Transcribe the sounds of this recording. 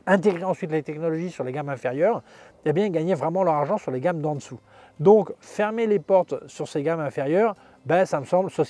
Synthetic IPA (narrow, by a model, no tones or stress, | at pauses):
ɛ̃t̪eɡʁeɑ̃sɥit̪let̪ɛknɔlɔʒisyʁleɡamɛ̃feʁjœːʁebjɛ̃ɡaɲevʁɛmɑ̃lœʁaʁʒɑ̃syʁleɡamd̪ɑ̃d̪əsu | d̪ɔ̃kfɛʁmelepɔʁt̪syʁseɡamɛ̃feʁjœːʁ | bɛsaməsɑ̃blsɔs